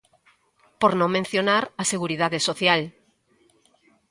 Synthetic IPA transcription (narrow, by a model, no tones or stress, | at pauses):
poɾnõŋmẽn̟θjonaɾaseɣuɾiðaðesoθjal